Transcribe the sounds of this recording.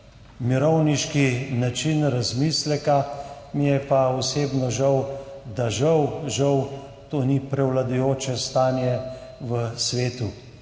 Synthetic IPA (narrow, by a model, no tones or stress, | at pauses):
miɾɔwniʃkinat͡ʃinɾazmislɛka | mijɛpaɔseːbnɔʒawd̪aʒɐwʒɐw | t̪oːnipɾɛwlad̪ujoːt͡ʃɛst̪aːnjɛʋəsʋeːt̪u